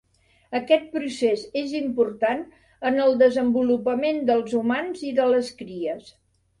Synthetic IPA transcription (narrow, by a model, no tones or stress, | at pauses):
əkɛt̪̚pɾusezezimpuɾt̪an | ənəlˠd̪əzəmbulupəmend̪əlˠzumanziðələskɾiəs